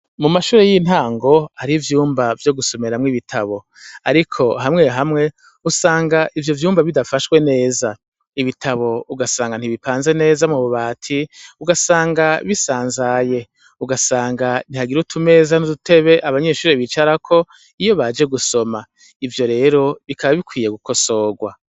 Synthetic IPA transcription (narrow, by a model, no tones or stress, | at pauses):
mumaʃuːɾe̞jinhaːŋɡo̞haɾivjuːmbavjo̞ɡuso̞me̞ɾamŋiβitʰaβo̞ | aɾikʰo̞ɦamŋe̞ɦamŋe̞ | usaːŋɡaʔivjo̞vjuːmbaβidafaʃwe̞ne̞ːza | iβitʰaβo̞uɡasaːŋɡan̥iβipʰaːnze̞ne̞ːzamŋuβuβaːtʰiuɡasaːŋɡaβisaːnzaje̞ | uɡasaːŋɡan̥ihaɡiɾutʰume̞ːzanudutʰe̞βe̞ʔaβaɲe̞ʃuːɾeβit͡ʃaɾakʰo̞ | ijo̞βad͡ʒe̞ɡuso̞ma | ivjo̞ɾe̞ːɾo̞βikʰaβaβikwiːje̞ɡuko̞so̞ːɡwa